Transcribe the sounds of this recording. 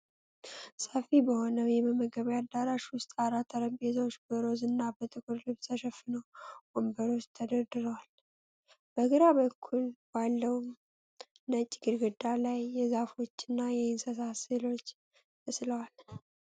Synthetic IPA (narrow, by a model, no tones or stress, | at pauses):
səfibəho̞nəwjɛbəməɡəβjad̪ːaɾaʃwʊst̪ʼaɾat̪ʰːəɾəmbezawt͡ʃːbəɾo̞zɨnːabət̪ʼɨkʰʼuɾlɨβsəʃəfːɨnəwɡ̥ombəɾo̞t͡ʃːt̪ʰəd̪əd̪ɨɾəwal | b̥əɡɨɾaβəkʰːulb̥alːəwm | nət͡ʃʼːɪɡɨɾɡɨd̪alajːɛzafo̞t͡ʃːɪnːajɛɪnsəsasɨlo̞t͡ʃː | məsləwal